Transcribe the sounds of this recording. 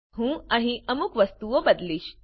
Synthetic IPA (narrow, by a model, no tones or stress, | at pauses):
ɦũaɽ̃iʔəmukʋəst̪uʋobəd̪liːɕ